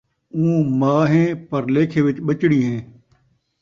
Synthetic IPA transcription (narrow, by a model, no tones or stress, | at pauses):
ũːmaːɦẽːpəɾleːkʰẽːʋɪt͡ʃɓət͡ʃɽiːɦẽː